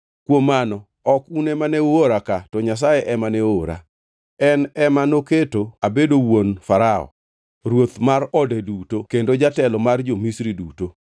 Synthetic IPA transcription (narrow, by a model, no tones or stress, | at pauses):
kwomːanɔ | ɔkunemanɛuoɾakatɔɲas̬ajeʔɛmanɛoɾa̰ | ɛnɛmanoketoabedowonfaɾaɔ̰ | ɾwot̪marɔdɛdutokendod͡ʒatɛlɔmard͡ʒomisɾiduto